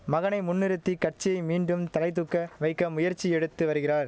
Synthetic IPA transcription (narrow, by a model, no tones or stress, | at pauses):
mɐɣɐnɐɪmʊnːɪɾɯt̪ːikɐʈ̚t͡ʃːɪjɐɪmiːɳɖɯmt̪ɐlɐɪt̪̬ɯkːɐʋɐɪkːɐmʊjɐɾt͡ʃːiɛɽɯt̪ːɯʋɐɾɯɣɪraːɾ